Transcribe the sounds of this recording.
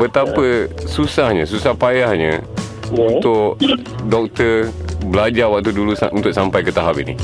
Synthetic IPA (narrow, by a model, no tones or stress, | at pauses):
bət̪apəsusahɲəsusahpajahɲə̰ | unt̪ʊʔ | dɔk̚t̪əbəlad͡ʒawak̚t̪udulusunt̪ʊksampajkət̪aɦapinḭ